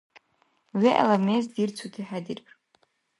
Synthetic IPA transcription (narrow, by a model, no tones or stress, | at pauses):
ɥiʔa̰lamezdirt͡sʷʰutʰiħadirpʰʼ